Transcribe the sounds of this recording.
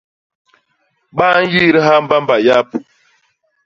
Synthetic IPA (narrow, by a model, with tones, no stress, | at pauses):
ɓa˦n̩˦ji˦ɾi˦ɦa˦m˦ba˦m˦ba˨ja˦p